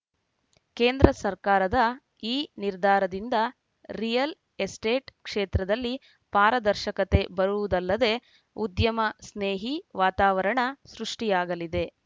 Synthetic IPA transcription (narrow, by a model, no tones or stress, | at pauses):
keːnd̪ɾɐsɐɾkaːɾɐd̪ɐ | iːniɾd̪ʱaːɾɐd̪ind̪ɐ | ɾijɐl | esʈeːʈkʂeːt̪ɾɐd̪ɐlːi | paːɾɐd̪ɐɾʃɐkɐt̪e̞bɐɾuʋud̪ɐlːɐd̪e̞ | ud̪jɐmɐsneːɦiʋaːt̪aːʋɐɾɐɳɐsɾuʂʈijaːɡɐlid̪e̞